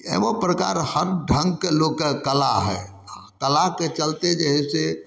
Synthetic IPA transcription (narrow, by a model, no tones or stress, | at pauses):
ḛbopɾəka̰ɾhəɾɖʱə̃ŋɡkelokːekəla̰ɦɛ̰ | akəlaket͡ʃəlt̪ed͡ʒeɦɛse